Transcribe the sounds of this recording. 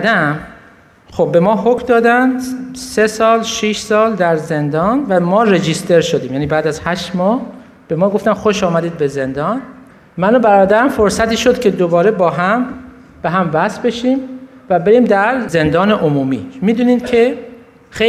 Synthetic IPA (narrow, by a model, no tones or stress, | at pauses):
d̪æm | xobːe̞mɒːɦocʰmd̪ɒːd̪ænd̪sesɒːlʃiʃsɒːld̪æɾze̞nd̪ɒnvæmɒːɾed͡ʒist̪e̞ɾʃod̪iːmjæːniːbæːd̪æzhæʃt̪mɒːh | b̥e̞mɒːɡo̞ft̪æmxoʃɒːmæd̪iːd̪̚be̞ze̞nd̪ɒːn | mænobæɾɒːd̪æɾæmfo̞ɾsæt̪iːʃod̪̥cʰe̞d̪obɒːɾe̞bɒːɦæm | b̥eɦæmvæsbe̞ʃiːmvæbe̞ɾiːmd̪æɾze̞nd̪ɒːne̞ʔomuːmḭːmiːd̪uːniːd̪̥cʰe̞ | xe